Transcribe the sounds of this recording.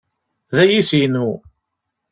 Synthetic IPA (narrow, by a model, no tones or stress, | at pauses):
ðæjisinu